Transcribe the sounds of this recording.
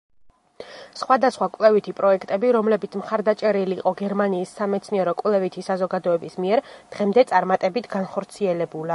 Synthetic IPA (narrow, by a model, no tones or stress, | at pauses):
sχwad̪asχwakʼwlɛvit̪ʰipʼɾɔɛkʰt̪ʼɛbiɾɔmlɛbit̪sʰmχaɾd̪at͡ʃʼɛɾiliːqʼɔɡɛɾmaniːsːamɛt̪sʰniɛɾɔkʼwlɛvit̪ʰisazɔɡad̪ɔɛbismiɛɾd̪̥ʁɛmd̪ɛt̪sʼaɾmat̪ʼɛbit̪ʰɡanχɔɾt̪sʰiɛlɛbula